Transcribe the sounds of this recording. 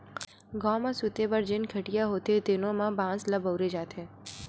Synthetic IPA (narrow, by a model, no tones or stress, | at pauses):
ɡãmãsʊt̪ebəɾd͡ʒɪnkʰəʈijaɦot̪et̪enomãbãsləbəwɾed͡ʒat̪ʰe